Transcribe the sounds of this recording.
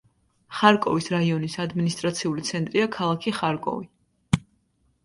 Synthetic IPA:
χaɾkʼɔvisɾaiɔnisad̪minist̪ʼɾat̪sʰiulit̪sʰɛnt̪ʼɾiakʰalˠakʰiχaɾkʼɔ̰vi

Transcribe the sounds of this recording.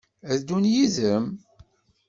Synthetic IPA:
æðd̪unjizəm

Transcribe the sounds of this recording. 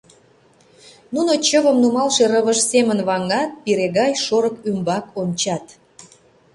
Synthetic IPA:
nunot͡ɕəβəmnumɑlʃeɾəβəʃsemənβɑŋɑt̪̚piɾeɣɑjʃoɾəkymbɑkonʲt͡ɕɑt̪

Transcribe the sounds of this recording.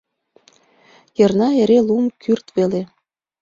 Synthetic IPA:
jɤ̆rnɑeɾelumkʰyrt̪βele

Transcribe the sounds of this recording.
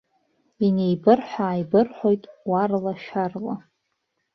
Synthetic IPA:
inejbɨrħʷᶣaːjbɨrħʷo̞jtʼwarlaʃarla

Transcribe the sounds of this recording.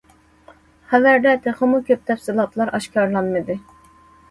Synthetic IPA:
χævæɾd̪ɛt̪ʰɛχɑmukʲʰøp̚t̪ʰɛfsɪlˠɑt̪ʰlˠɑɾʔɑʃkʰɑɾlˠɑnmɨd̪ɪ

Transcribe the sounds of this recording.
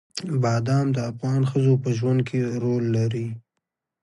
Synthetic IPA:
bɑd̪ɑmd̪əafɣɑnxəzopəʒwand̪̚kʰeɾolːaɾi

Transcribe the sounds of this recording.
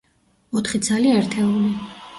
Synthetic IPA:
ɔt̪ʰχid̪zaliɛɾt̪ʰɛuli

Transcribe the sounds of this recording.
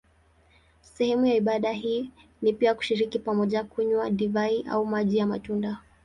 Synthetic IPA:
sɛhɛmujaiɓaɗaɦiː | nipiaku̥ʃiɾikipamɔʄakuɲwaɗivaiʔa̰umaʄijama̰tunda

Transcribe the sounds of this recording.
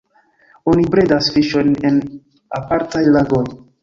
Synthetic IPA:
o̞nibɾedasfiʃo̞jne̞n | apaɾtajlaɡoj

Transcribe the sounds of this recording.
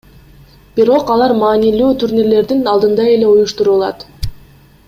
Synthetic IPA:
b̥iɾo̞qɑlˠɑɾmɑːnilyːt̪ʰuɾʲnʲiɾle̞ɾd̪inɑlˠd̪ɯnd̪ɑe̞le̞ujuʃt̪uɾulˠɑ̰t̪

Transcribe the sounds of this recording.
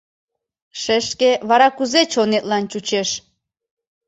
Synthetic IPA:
ʃeʃkeβɑɾɑkuzet͡ɕonet̪̚lɑnt͡ɕut͡ɕeʃ

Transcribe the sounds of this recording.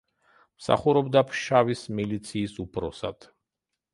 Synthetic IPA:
msa̰χuɾɔbd̪apʰʃavismilit̪sʰiːsupʰɾɔsad̪̥

